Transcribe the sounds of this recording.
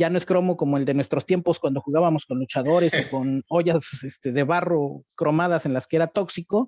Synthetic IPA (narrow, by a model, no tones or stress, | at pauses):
ɟ͡ʝanoe̞skɾo̞mo̞ko̞moeld̪e̞nwe̞st̪ɾost̪je̞mpo̞skwand̪o̞xuɣaβamo̞sko̞nlut͡ʃaðo̞ɾe̞soko̞no̞ʝasest̪e̞ðe̞βaro̞kɾo̞maðase̞nlaskee̞ɾat̪o̞ksiko̞